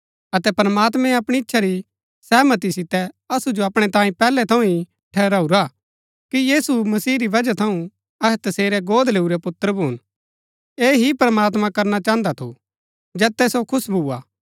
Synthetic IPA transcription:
ɐt̪ɛpɾəmaːt̪mɛ̃ɐpɽ̃iɪtːʃʰaɾi | sɛːmət̪isɪt̪ɛ | ɐsud͡ʒoɐpɽ̃ɛt̪ãːĩpɛːlɛt̪ʰɐ̃ũi | ʈʰɛːɾaːuɾa | kijiːsumɐsiːɾiʋɐd͡ʒat̪ʰɐũ | ɐɛt̪ɐseːɾɛɡoːd̪leːuɾɛpʊt̪ːəɾbuːn | eːɦipɾəmaːt̪mãkɐɾnat͡ʃãːə̃nd̪at̪ʰṵ | d͡ʒɛːt̪ːɛsokʰʊsbʱuːa̰ː

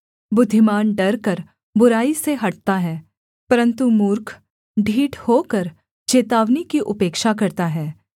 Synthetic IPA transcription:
bʊd̪ʱːɪmaːnɖɐɾkɐɾ | bʊɾaːiseɦɐʈ̚t̪aɦɛː | pɐɾə̃nt̪umʊːɾkʰ | ɖʱiːʈʰhoːkɐɾ | t͡ʃeːt̪aːʋnikiʔʊpeːkʃak̬ɐɾt̪aɦɛː

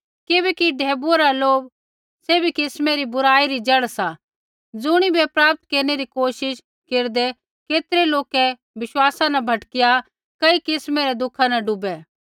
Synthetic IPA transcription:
kɪbɛkiɖʱɛːbuaɾaloːb | sebʱikɪsmeɾibʊɾaːiɾid͡ʒɐɽsa | d͡zʊɽ̃ibɛpɾaːp̚t̪̚keːɾneɾikoːʃɪʃ | keːɾd̪ɛ | keːt̪ɾeloːkɛ | ʋɪʃwaːsãnɐbʱɐʈkɪja | kɐikɪsmeɾɛd̪ʊkʰanɐɖʊbɛ

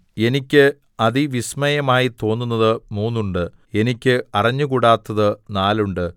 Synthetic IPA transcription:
e̞nikʲːɨ | ɐðiʋismɐjɐmaːjit̪o̞ːnːunːɐðɨmuːnːuɳɖɨ | e̞nikʲːɨɐrɐɲːukuɽaːt̪ːɐðɨnaːluɳɖɨ

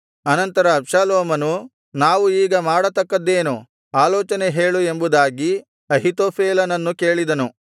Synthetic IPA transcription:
ɐnɐnt̪ɐɾɐːpʂaːloːmɐnu | naːʋuiːɡɐmaːɽɐt̪ɐkːɐd̪ːe̞ːnu | aːlɔːt͡ʃɐneɦe̞ːɭue̞mbud̪aːɡi | ɐɦit̪oːpʰeːlɐnɐnːuke̞ːɭid̪ɐnu

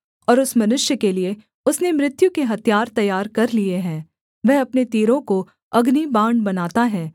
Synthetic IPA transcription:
ɔːɾʊsmɐnʊʃjəkelie | ʊsnemɾɪt̪jukeɦɐt̪jaːɾt̪ɐjːaːɾkɐɾlieɦɛ̃ː | ʋɛɦɐpnet̪iːɾõko | ɐɡnibãːɳɖbɐnaːt̪aɦɛ̃ː

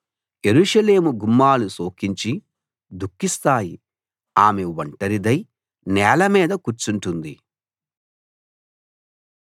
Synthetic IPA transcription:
e̞ɾuʂɐle̞ːmuɡumːaːluso̞ːkiɲt͡ʃi | d̪ukːist̪aːji | aːme̞ʋɐɳʈɐɾid̪ɐj | nɛːlɐmiːd̪ɐkuɾt͡ʃuɳʈund̪i

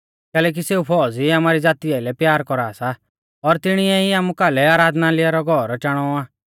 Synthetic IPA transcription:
kɛːlɛːk̬iseːupʰɔːd͡ziaːmaːɾid͡zaːt̪ijaɪlɛpjaːɾkɔɾaːsa | ɔɾt̪ɪɽ̃iɛiaːmũkaːlɛaːɾaːd̪nalɪaɾɔɡʱɔɾɔt͡ʃaːɽ̃ɔaː

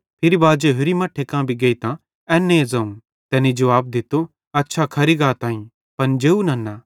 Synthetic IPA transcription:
pʰɪɾibaːd͡ʒeɦʊɾimɐʈʰːekãbʱiɡɐit̪ã | ɛːnːẽːzɐũ | t̪ɛːnid͡ʒɐʋaːb̚d̪ɪt̪o | ɐtːʃʰakʰɐɾiɡaːt̪ãːĩ | pɐnd͡ʒeːunɐnːaː

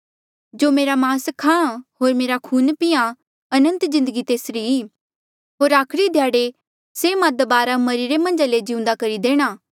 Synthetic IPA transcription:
d͡ʒoːmeːɾamãːskʰãːɦoːɾmeːɾakʰuːnpɪjã | ɐnə̃nt̪zɪ̃nd̪əɡit̪eːsɾiiː | ɦoːɾaːkʰɽid̪ʱjaːɽe | semãd̪ɐbaːɾamɐɾiɾemɐ̃nd͡ʒaled͡ʒɪũnd̪akɐɾid̪eːɽ̃aː

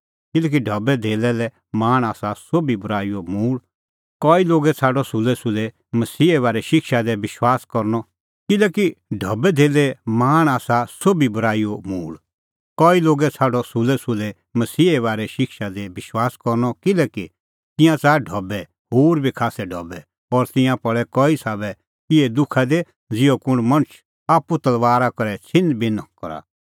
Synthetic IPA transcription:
kɪlɛk̬iɖʱɐbɛd̪ʱeːlɛlɛ | maːɽ̃aːsasobibʱʊɾaːijomuːɭ | kɔːiloːɡɛt͡sʰaːɖɔsʊlɛsʊlɛ | mɐsiːeβaːɾɛʃɪkʃad̪ɛʋɪʃwaːskɔɾnɔ | kɪlɛkiɖʱɐbɛd̪ʱeːlɛmaːɽ̃aːsasobibʊɾaːijomuːɭ | kɔːiloːɡɛt͡sʰaːɖɔsʊlɛsʊlɛ | mɐsiːeʋaːɾɛʃɪkʃad̪ɛbɪʃwaːskɔɾnɔkɪlɛki | t̪ɪ̃jãt͡saːɖʱɔbɛ | ɦoːɾbʱikʰaːsɛɖʱɔbɛ | ɔːɾt̪ɪ̃jãpɐɭɛkɔːisaːbɛ | kɪed̪ʊkʰad̪e | d͡zɪɔkʊɽ̃mɐ̃ɽ̃ət͡ʃʰ | aːput̪ɐlʋaːɾakɔɾɛt͡sʰɪ̃nd̪bɪnkɔɾa̰

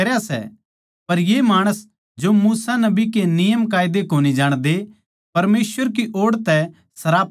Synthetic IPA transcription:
ɐɾasɛ̰ | pɐɾjemaːɽ̃əs | d͡ʒomuːsanɐbikenɪjəmk̬aːɪd̪ekoːnid͡ʒaːɽ̃d̪e | pɐɾmeːsʋəɾkiʔoːɽt̪ɛ | sɐɾaːp

